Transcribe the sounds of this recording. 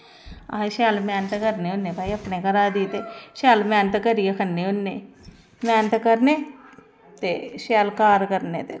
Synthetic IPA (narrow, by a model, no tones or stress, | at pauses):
ã̰ʃaːlmɛːnət̪kəɾneʊnːebaːiɐpnekəɾaːd̪iːt̪eʃɛːlmɛːnət̪kəɾiekʰənːeʊnːeː | mɛːnət̪kəɾne | t̪eːʃɛːlkaːɾkəɾnḛːt̪eː